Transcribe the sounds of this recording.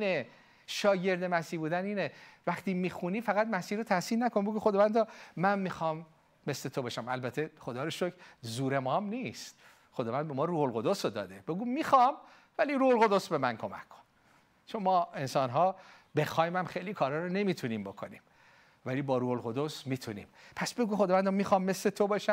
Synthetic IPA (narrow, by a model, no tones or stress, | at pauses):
iːne | ʃɒːje̞ɾd̪e̞mæsiːbuːd̪æniːnevæχt̪ʰiːmiːxuniːfæɣæd̪mæsiːɾot̪ʰæsiːlnækʰonbeɡuxod̪ɒvænd̪ɒmænmixɒːmː | e̞sle̞t̪ʰobeʃæmælbæt̪ʰeχod̪ɒːɾoʃokʰzuːɾe̞mɒːmnist̪̚ | χod̪ɒːvænd̪be̞mɒːɾuːholɣo̞d̪osod̪ɒ̰ːd̪ebe̞ɡuːmiːxɒːm | væliːɾuːholɣo̞d̪osbemænkʰo̞mæ̰kʰːo̥n | t͡ʃʰonmɒːe̞nsɒːnɦɒː | be̞xɒːjmæmxejliːkʰɒːɾɒːɾone̞miːt̪ʰuniːmbo̞kʰonḭːm | væliːbɒːɾuːholɣo̞d̪osmiːt̪ʰunḭːmpʰæsbe̞ɡuːxod̪ɒːvænd̪ɒmiːxɒːmːesle̞t̪ʰobɒʃæmm